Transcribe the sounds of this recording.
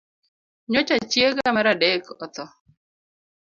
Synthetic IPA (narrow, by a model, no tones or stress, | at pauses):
ɲot͡ʃat͡ʃjeɡamaɾadekɔt̪ɔ